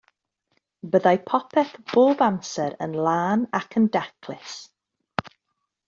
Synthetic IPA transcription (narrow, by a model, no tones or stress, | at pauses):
bəðajpʰɔpʰɛθb̥oːbamsɛɾə̰nlˠaːnakʰəndakʰlɪs